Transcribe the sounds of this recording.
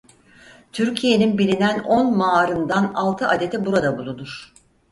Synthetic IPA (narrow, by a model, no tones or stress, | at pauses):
t̪ʰyɾcʰije̞ninbilʲinæno̞nmaːɾɯnd̪analˠt̪ʰɯʔad̪e̞t̪ʰɛbuɾad̪abulˠunuɾ̥